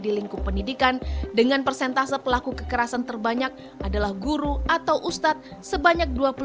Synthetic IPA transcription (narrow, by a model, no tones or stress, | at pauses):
diliŋkupəndidikandəŋanpərsɛnt̪asapəlakukəkəɾasant̪ərbaɲak̚ | ʔadalahɡuɾuʔat̪awʔust̪at̪̚səbaɲak̚duapə